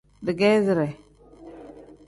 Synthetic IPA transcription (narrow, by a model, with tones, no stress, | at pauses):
di˨ɡe˦zi˨ɾe˨